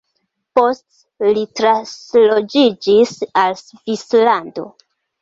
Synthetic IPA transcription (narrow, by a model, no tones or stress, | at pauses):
po̞st | litɾaslod͡ʒid͡ʒisalsvislando̰